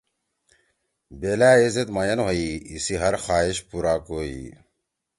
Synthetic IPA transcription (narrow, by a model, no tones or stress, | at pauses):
beːlaːezet̪mɐjɐnɦoiisiɦɐɾxaːiɕpuɾaːkoːḭ